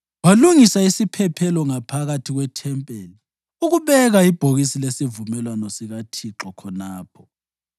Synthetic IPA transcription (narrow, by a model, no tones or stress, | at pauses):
waluŋisaisipʰɛpʰɛlɔŋapʰaɣatʰiɣwɛtʰɛmpʼeli | uɣuβɛɣaib̥ʱoɣisilesivumɛlwanɔsiɣatʰiǁɔkʰɔnaːpʰɔ̥